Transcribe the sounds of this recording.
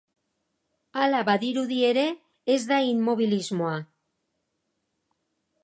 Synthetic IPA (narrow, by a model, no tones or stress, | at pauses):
alaβaðiɾuðie̞ɾe̞ː | zd̪ainmːo̞β̞ilizmo̞a